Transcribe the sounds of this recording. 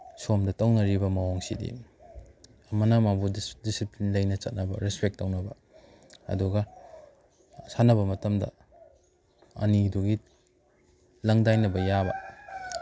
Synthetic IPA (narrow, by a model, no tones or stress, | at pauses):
somdɐtɐwnɐɾibɐmɐwoŋsḭdḭ | ɐmɐnamabudisiplinlɐjnɐt͡ʃɐt̚nɐbɐ̰ɾespek̚tːɐwnɐbɐ̰ | ɐ̰duɡɐ | sanɐbɐmɐtɐmdɐ̰ | ɐ̰niduɡi | lɐŋdajnɐbɐjabɐ̰